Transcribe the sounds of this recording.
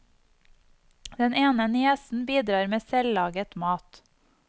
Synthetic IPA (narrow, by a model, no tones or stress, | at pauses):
d̪̥ɛneːnənɪɛsn̩biːd̪ɾɑːɾmeːsɛlɑːɡət̪mɑːt̪